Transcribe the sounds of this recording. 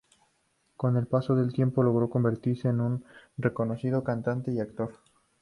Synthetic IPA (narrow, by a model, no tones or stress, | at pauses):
ko̞ne̞lpaso̞ðe̞lt̪je̞mpo̞lo̞ɣ̞ɾo̞ko̞mbe̞ɾt̪iɾse̞ːnunre̞ko̞no̞siðo̞kant̪ant̪e̞iakt̪o̞ɾ